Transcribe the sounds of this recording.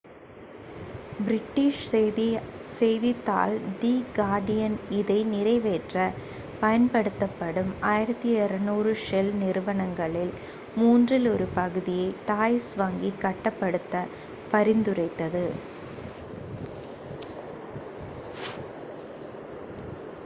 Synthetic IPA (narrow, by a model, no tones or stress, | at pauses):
bɾɪʈːiːʂ | sɛjðɪt̪ːa̰ːld̪iːɡaːɖɪjɐnɪðɐɪnɪɾɐɪʋeːʈrɐ | pɐjɐnpɐɽɯt̪ːɐpːɐɽɯmaːjɪɾɐt̪ːiɪɾɐnuːrɯʂɛlnɪɾɯʋɐɳɐŋɡɐɭɪl | muːndrɪlɔɾɯpɐɣɯðɪjɐɪʈaːjsʋɐːŋɡikɐʈːɐpːɐɽɯt̪ːɐ | pɐɾɪnd̪ɯrɐɪt̪ːɐðɯ